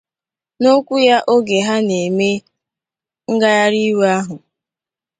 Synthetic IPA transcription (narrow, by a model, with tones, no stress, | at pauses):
no˦kʷu˦ja˦ʔo˦ɡe˨ɦa˦ne˨me˦ | ŋ̩˦ɡa˦ja˦ɾi˦we˦a˦ɦʊ˨